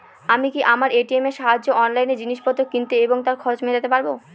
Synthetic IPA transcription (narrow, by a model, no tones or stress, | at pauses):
amikiʔamaɾeʈiemeɾʃaɦad͡ʑːoɔnlajned͡ʑiniʃpɔt̪ːok̚ːint̪eeboŋt̪aɾkʰɔɾot͡ɕmed͡ʑat̪epaɾbo